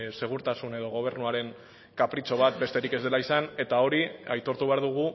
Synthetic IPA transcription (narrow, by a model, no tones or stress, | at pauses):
se̞ɣ̞uɾt̪asune̞ð̞o̞ɣ̞o̞β̞e̞ɾnuaɾe̞ŋ | kapɾit͡so̞β̞at̪̚be̞st̪eɾike̞zðe̞laisane̞t̪ao̞ɾiajt̪o̞ɾt̪uβe̞aɾðuɣ̞u